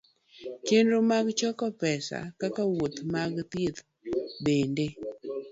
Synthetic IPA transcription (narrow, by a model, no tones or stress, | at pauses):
kenɾomaɡt͡ʃɔkɔpɛsa̰kakawot̪maɡt̪et̪ | bende